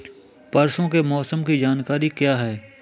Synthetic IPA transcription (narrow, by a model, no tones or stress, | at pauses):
pɐɾsõkemɔːsəmkid͡ʒaːnkaːɾikjaːɦɛː